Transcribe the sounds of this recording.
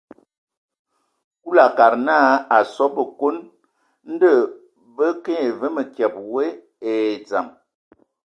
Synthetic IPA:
ku˦la˨ka˨ɾnaː˦a˨sɔ˦bə˨ko˦n | n̩˦də˦˨ | bə˦ke˦e˨və˦mə˨kjɛ˨p̚we˦ | e˨d͡za̰˨m

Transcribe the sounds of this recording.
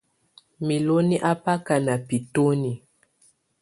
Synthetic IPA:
mi˨lo˦ni˦ʔa˦pa˦ka˨na˨pi˨to˦ni˨

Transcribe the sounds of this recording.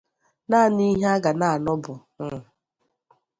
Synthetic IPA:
na˦˨ni˦ɦe˦a˦ɡa˨na˨a˨nɔ˦bʊ˨ | ŋ̩˦˨

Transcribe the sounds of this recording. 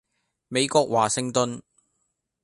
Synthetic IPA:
me˨˧jkɔː˧k̚waː˨˩sɪ˨˧ŋt̪ɵ˧n

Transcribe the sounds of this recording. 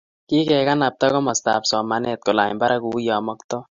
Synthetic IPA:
ki˦kɛ˨ka˦na˨p̚t̪a˦kɔ˦mɔ˨st̪a̰˨psɔ˨ma˦nɛt̪̚ko˨la̰˨mba˦ɾʔa˦ku˨ja˨mɔ˦k̚t̪ɔ˦

